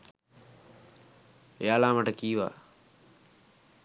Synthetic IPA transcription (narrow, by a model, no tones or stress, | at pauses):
ejaːlaːməʈəkiːʋa̰ː